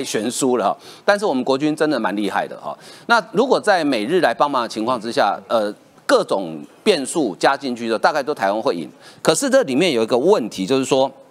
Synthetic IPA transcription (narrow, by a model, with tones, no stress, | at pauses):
ɪɕɥɛ˧˥nsu˥lə˨xɔ̰˨˩t̪a˥˧nʂ̬̩˥˩wɔ˨˩mə˦nkwɔ˧˥t͡ɕy˦˥nʈ͡ʂə˦˥nd̪ə˨˩ma˧˦nli˥˧xa̰˥˩ɪd̪ə̰˩hɔ̰˨˩na˥˨ɻu˧˥kwɔ˨˩t͡sa˥˩ɪme˨˩ɪɻɻ̩˥˩la˧˦ɪpɑ˥ŋmɑ˨˦nə˧˩t͡ɕʰi˧ŋkʰwɑ˥˨ŋʈ͡ʂɻ̩˦ɕja̰˥˩ə˨ | kɤ˥˩ʈ͡ʂʊ˨˩ŋpjɛ˥˧nsu˥˩t͡ɕja˦t͡ɕi˥˧nt͡ɕʰy˥˧t͡ɕt̪a˥˧ka˥ɪt̪o˥ʊt̪ʰa˧˥ɪwa˥nxwe˥˩ɪḭ˨˩˦nkʰɤ˨˩ʂɻ̩˥˧ʈ͡ʂɤ˥˩li˨˩mjɛ˥˨njo˨˩i˧˥ɡə˧wə˥˨nt̪ʰi˨˦t͡ɕjo˥˧ʊʂ̬̩˥˩ʂwɔ˦